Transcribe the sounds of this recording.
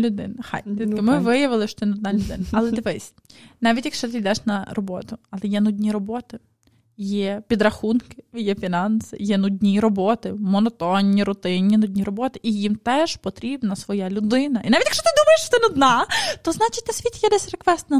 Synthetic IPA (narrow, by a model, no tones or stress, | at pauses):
lʲʊd̪ɪ̰nɐxɑ̰jd̪ʲit̪̚ʲkɪmɪʋɪjɐʋɪlˠɪʃt͡ʃɔ̥t̪ɪnʊd̪̚nɑlʲʊd̪ɪnɐɐlˠɛd̪ɪʋɛsʲ | nɑʋʲitʲjɐkʃt͡ʃɔt̪ɪjd̪ɛʃnɐrɔbɔt̪ʊɐlˠɛjɛnud̪ʲnʲiɾɔbɔt̪ɪ | jɛpʲid̪ɾɐxunkɪjɛfʲinɑnsɪ̰jɛnʊd̪ʲnʲiɾɔbɔt̪ɪmɔnɔt̪ɔnʲːiɾʊt̪ɪnʲːinʊdʲnʲirɔbɔt̪ɪʔijimt̪ɛʒpɔt̪ɾʲibnɐsʋɔjalʲʊd̪ɪnɐʔinɑʋʲitʲjɐkʃt͡ʃɔt̪ɪd̪umɐjeʃt͡ʃɔ̥t̪ɪnʊd̪nɑt̪ɔznɑt͡ʃɪtʲt̪ɐsʲʋʲit̪ʲjɛd̪ɛsʲrekʋɛst̪nɐ